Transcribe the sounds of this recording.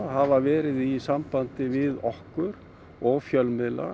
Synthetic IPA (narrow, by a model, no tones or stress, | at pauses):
ɦavavɛːɾɪðisampant̪ɪvɪðɔhkʏɾ | ɔɣfjœlmɪla̰